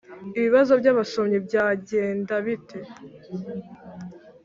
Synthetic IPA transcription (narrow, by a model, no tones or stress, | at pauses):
iβiβazo̞bɟaβaso̞mɲibɟaːɟe̞ːndaβitʰe̞